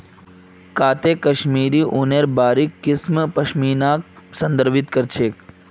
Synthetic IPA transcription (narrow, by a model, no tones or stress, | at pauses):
kaːt̪ekɐʃmiːɾiːʔuneɾbaːɾikːɪsmpɐʃmiːnaːk̚sɐ̃nd̪əɾʋit̪kəɾt͡ʃʰeːk